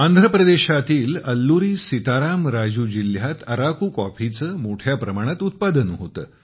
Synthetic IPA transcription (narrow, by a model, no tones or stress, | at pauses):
and̪ʱɾəpɾəd̪eɕat̪iːləlːuɾiːsit̪aɾamɾad͡ʑuːd͡ʑiljat̪əɾakuːkɔfit͡səːmoʈʰjapɾəmaɽ̃at̪ut̪̚pad̪ənɦot̪ə̰ː